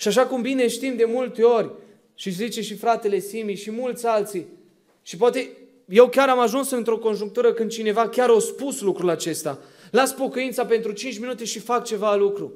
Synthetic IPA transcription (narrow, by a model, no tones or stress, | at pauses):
ʃiaʃ̬akumbine̞ʃt̪imd̪e̞mult̪e̞o̞rʲ | ʃiszit͡ʃe̞ʃifɾat̪e̞le̞simiʃimult̪sʲalt̪si | ʃip̬oat̪e̞ | je̞wkʲaɾamaʒunsɨnt̪ɾo̞ko̞nʒuŋk̚t̪uɾəkɨnd̪̚t͡ʃine̞vakʲaɾospuslukɾulat͡ʃe̞st̪a | laspo̞kuint̪sape̞nt̪ɾut͡ʃint͡ʃminut̪e̞ʃifakt͡ʃe̞valukɾṵ